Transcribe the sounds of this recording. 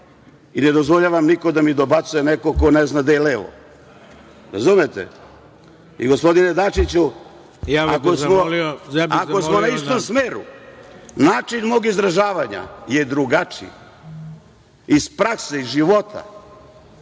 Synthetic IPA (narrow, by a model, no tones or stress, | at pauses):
ine̞d̪o̞zʋoʎaʋamniko̞d̪amid̪obat̪sujenekoko̞neznad̪ajeleʋo̰ | ɾazumet̪ḛ | ḭɡo̞spo̞d̪ined̪at͡ʃit͡ɕu | jaakosmolioaosmonaist̪omsmeːɾṵ | naːt͡ʃinmo̞ːɡizd̪ɾaʒaːʋaɲa̰je̞d̪ɾuɡat͡ʂḭ | ispɾakseizʒiʋot̪ʰa̰